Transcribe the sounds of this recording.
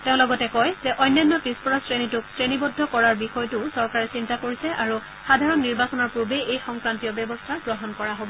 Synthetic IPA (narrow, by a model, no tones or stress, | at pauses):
teʊ̃lɔɡɔtɛkɔjzɛʔɔjnjɔnːɔpispɔɹasɹenitʊksɹenibɔdʱːɔkɔɹaɹbixɔjtʊsɔɹkaɹɛsintakoɹisɛʔaɹu | xadʱaɹɔnːiɹbasɔnɔɹpɹubeejxɔŋkɹantiɔbjɔbɔstʰaɡɹɔɦɔnkɔɹaɦobɔ